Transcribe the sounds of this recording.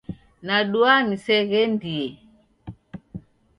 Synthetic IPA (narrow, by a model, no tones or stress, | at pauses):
naɗuanisɛɣɛndiɛ